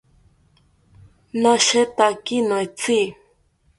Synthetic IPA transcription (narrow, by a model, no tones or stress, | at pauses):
nãʃet̪akinõet͡si